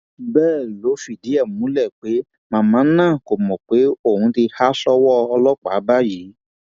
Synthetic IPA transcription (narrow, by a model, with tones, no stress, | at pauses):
bɛː˦˨lo˨˦fi˦˨di˨˦ɛ˦˨mũ˦lɛ˦˨k͡pe˨˦ | mã˧˦mã˨˦nãː˦˨ko˨mɔ̃˨k͡pe˨˦o˦˨hũ˨˦ti˧ha˦sɔ˦wɔ˦ɔ˧lɔ˦k͡pa̰˨˦ba˦ji˨˦